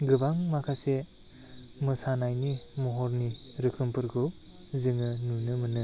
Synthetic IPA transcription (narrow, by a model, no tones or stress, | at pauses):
ɡɯbaŋmakʰase | mɯsanajnimɔɦɔɾniɾɯkʰɯmpɯɾɡɯp | zɯŋɯnunɯmɯnɯ